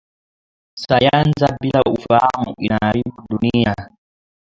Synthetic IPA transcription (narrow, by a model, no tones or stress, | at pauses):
sajanzabilaufahamuʔinaɾibudunija